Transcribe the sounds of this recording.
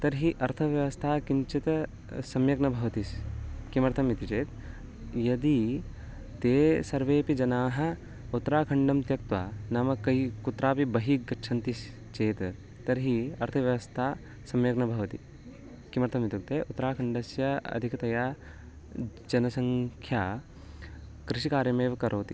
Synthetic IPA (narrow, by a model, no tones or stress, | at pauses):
t̪ɐɾɦiʔɐɾt̪ʰɐʋjɐʋɐst̪ʰaːkiɲt͡ʃit̪ɐ | sɐmjɐɡnɐbʱɐʋɐt̪iskimɐɾt̪ʰɐmːit̪it͡ʃeːt̪ | jɐd̪i | t̪eːsɐɾʋeːpid͡ʒɐnaːɦɐ̆ | ut̪ːɾaːkʰɐɳɖɐmt̪jɐk̚t̪ʋa̰ːnɐmɐkɐjkut̪ːɾaːpibɐɦikɡɐtːʃʰɐnt̪is | t͡ʃeːt̪ | t̪ɐɾɦiɐɾt̪ʰɐʋjɐʋɐst̪ʰaː | sɐmjɐɡnɐbʱɐʋɐt̪i | kimɐɾt̪ʰɐmit̪uk̚t̪eːʔut̪ːɾaːkʰɐɳɖɐsjɐɐ̰d̪ʱikɐt̪ɐjaː | d͡ʒɐnɐsɐŋkʰjaː | kɾiʃikaːɾjɐmeːʋɐkɐɾʔoːt̪ḭ